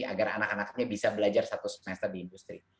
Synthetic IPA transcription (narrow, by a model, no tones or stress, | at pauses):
a̰ɡaɾa̰nakanakɲabisabəlad͡ʒarst̪at̪usə̥mɛst̪ərdiːndust̪ɾi